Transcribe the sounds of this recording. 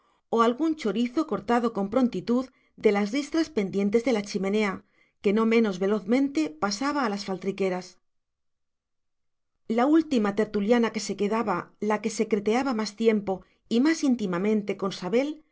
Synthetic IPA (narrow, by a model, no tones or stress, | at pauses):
o̞alɣunt͡ʃo̞ɾiθo̞ko̞ɾt̪að̞o̞ko̞mpɾo̞nt̪it̪uð | d̪e̞lazrist̪ɾaspe̞nd̪je̞nt̪e̞zðe̞lat͡ʃimẽ̞ne̞a | ke̞no̞mẽ̞no̞zβe̞lo̞θmẽ̞nt̪e̞pasaβ̞aːlasfalt̪ɾike̞ɾas | lault̪imat̪e̞ɾt̪uljanake̞se̞ke̞ðaβalake̞se̞kɾe̞t̪e̞aβamast̪je̞mpo̞ | imasint̪imamẽ̞nt̪e̞ko̞nsaβe̞l